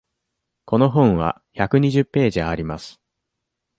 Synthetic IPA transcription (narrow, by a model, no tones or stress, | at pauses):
ko̞no̞ɦõ̞ɰ̃βa̰ | çakɯ̟ɲ̟iʑɨpːe̞ːʑiɡaːɾʲimasɨ̥